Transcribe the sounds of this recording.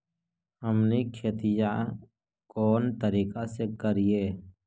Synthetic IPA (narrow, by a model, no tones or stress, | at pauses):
ɦəmnikʰeːt̪ɪja | kɔːnt̪əɾiːkasekəɾieː